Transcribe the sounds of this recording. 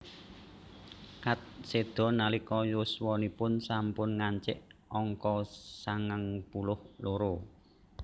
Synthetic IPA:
kat̪̚sed̪̥ɔ̤nalikɔjuswɔnipʊnsampʊnŋaɲt͡ʃɪʔɔŋkɔsaŋəŋpulʊhloɾo

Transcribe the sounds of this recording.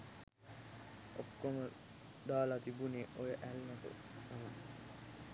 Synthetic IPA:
okːomə | d̪aːlat̪ibuneʔojəʔælnat̪ə̰ | ala

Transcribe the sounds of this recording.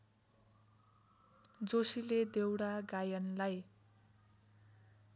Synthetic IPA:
d͡zosiled̪ewɽaɡajʌnlaj

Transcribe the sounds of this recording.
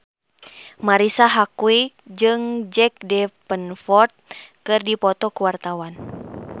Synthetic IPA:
maɾisaɦakui | d͡ʒɨŋd͡ʒɛk̚dɛpənfɔrt̪̚kɨrdipɔt̪ɔkuwart̪awan

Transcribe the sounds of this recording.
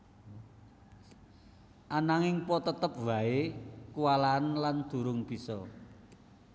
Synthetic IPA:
ʔanaŋɪŋpɔt̪ət̪əp̚wa̤ekuwalanland̪̥ṳɾʊŋb̥i̤sɔ

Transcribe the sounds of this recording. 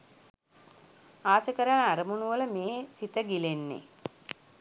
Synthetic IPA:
aːsəkəɾənəaɾəmunuʋələmeːsit̪əɡilenːḛ

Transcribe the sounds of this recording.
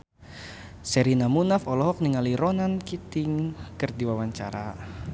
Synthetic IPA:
sɛɾinamunafɔlɔɦɔk̚niŋaliɾɔnankit̪ɪŋkərdiwawaɲt͡ʃa̰ɾa

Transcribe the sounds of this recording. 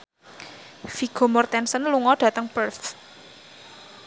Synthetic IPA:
fiɡ̥o̤mɔrt̪ɛnsənluŋɔɖ̥ä̤t̪əŋpərf

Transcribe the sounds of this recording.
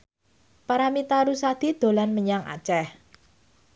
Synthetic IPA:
paɾamit̪aɾusad̪̥id̪̥o̤lanməɲaŋʔa̰t͡ʃɛh

